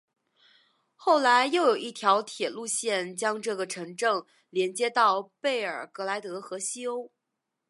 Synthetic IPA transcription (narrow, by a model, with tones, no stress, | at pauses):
xo˥˩ʊla˧˥ɪjo˥˩ʊjo˨˩ʊi˥˩t̪ʰjɑ˧˥ʊt̪ʰjɛ˨˩lu˥˧ɕjɛ˥˩nt͡ɕjɑ˥ŋʈ͡ʂɤ˥˩ɡə˩ʈ͡ʂʰɤ˧˥ŋʈ͡ʂɤ˥˧ŋ | ljɛ˧˥nt͡ɕjɛ˥t̪ɑ˥˧ʊpe˥˩ɪə˞˨˩kɤ˧˥la˧˥ɪt̪ɤ˧˥xɤ˧˥ɕi˥o˥ʊ